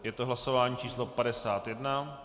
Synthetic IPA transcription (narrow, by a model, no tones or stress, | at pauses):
jɛt̪oɦlasovaːɲiːt͡ʃiːslo̞padɛsaːt̪jɛdna